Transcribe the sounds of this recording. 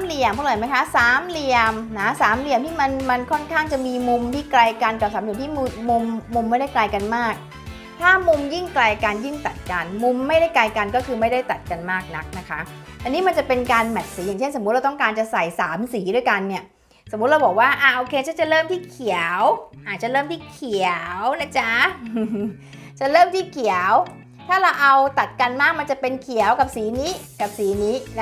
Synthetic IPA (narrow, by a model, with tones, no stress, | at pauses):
mli˨˧˩əmʰu˥˩lːjma˦˥jkʰa˦˥saː˨˦mli˧əmna˦˥saː˩˦mli˧əmt̪ʰiː˥˩ma˧nma˧nkʰɔ˥˩nkʰaː˥˩ŋt͡ɕa˨˩miː˧mu˧mt̪ʰiː˥˩kla˧jka˧nka˨˩p̚saː˨˦mli˧mt̪i˥˩˧m˧mːu˧mːa˥˩jda˥˩jkla˧jka˧nmaː˥˩k̚ | t̪ʰaː˥˩mu˧mji˥˩ŋkla˧ja˧ka˧nji˥˩ŋt̪a˨˩t̪̚ka˧nmu˧mːa˥˩jda˥˩jkla˧jka˧nkɔ˥˩kʰɯː˧ma˥˩jda˥˩jt̪a˨˩t̪̚ka˧nmaː˥˩k̚na˦˥k̚na˦˥kʰa˦˥ | t̪a˧niː˦˥ma˧nt͡ɕa˨˩pe˧nkaː˧nmɛ˨˩t̪̚siː˩˦ja˨˩ŋt͡ɕe˥˩nso˩˦m˦t̪̚a˧t̪ŋkaː˧nt͡ɕa˨˩sa˨˩jsaː˩˦msiː˩˦du˥˩əjka˧nːi˥˩ɐ | so˩˦m̚ː˦˥ɾa˧wbɔː˨˩k̚waː˥˩ʔaː˧˩ʔoː˧kʰe˧t͡ɕʰa˥˩t͡ɕa˨˩ɾɤː˥˩mt̪ʰiː˥˩kʰi˨˩˦wʔaː˨˩t̪̚t͡ɕa˨˩ɾɤː˥˩mt̪ʰiː˥˩kʰi˨˩wna˦˥t͡ɕʰa˦˥˧ | t͡ɕa˨˩ɾɤː˥˩mt̪ʰiː˥˩kʰi˨˩˦ə˦w | t̪ʰaː˥˩ɾa˧wʔa˧wt̪a˨˩t̪̚ka˧nmaː˥˩k̚ma˧nt͡ɕa˨˩pe˧nkʰi˨˩˦əwka˨˩p̚siː˨˩˦niː˦˥ka˨˩p̚siː˨˦niː˦˥n˦